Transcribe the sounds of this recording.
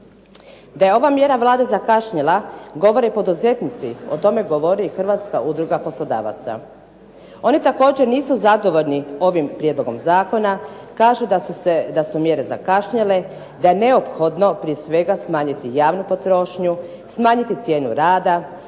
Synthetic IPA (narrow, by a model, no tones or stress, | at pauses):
d̪aje̞o̞ʋamje̞ɾaʋlˠaːd̪ezakaʃɲalaɡo̞ʋo̞ɾepo̞d̪uze̞t̪nit̪sio̞̰t̪o̞me̞ɡo̞ʋo̞ɾixrʋat̪ska̰ʔud̪ɾuɡapo̞slˠo̞d̪a̰ːʋa̰t̪sa̰ | o̞nit̪ako̞ːd͡ʑeɾniːsuzad̪o̞ʋo̞ʎnio̞ʋimpɾijed̪lˠo̞ɡo̞mzaːko̞nakaːʒued̪asumje̞ɾe̞za̰kaʃɲale̞ | d̪aje̞ne̞o̞pxo̞d̪no̞pɾijesʋe̞ɡasmaːɲit̪ijaːʋnupo̞t̪ɾo̞ʃɲu | smaːɲit̪it̪sje̞ːnuɾaːd̪a